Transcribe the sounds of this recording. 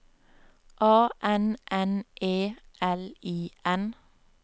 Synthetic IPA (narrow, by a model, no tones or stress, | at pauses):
ʔɑːʔɛnʔɛnʔeːʔɛliːɛn